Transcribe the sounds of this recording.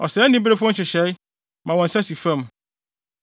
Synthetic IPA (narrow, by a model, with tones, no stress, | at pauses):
ɔ̰˨sɛː˨˦nĩ˦bɾe˦fʊ˦ɔ̃˦n˦ɕɪ˨ɕɛ˨˦ɪ˦ | mã˨wɔ̃˨n̩˨sa˦si˨fã˦˨m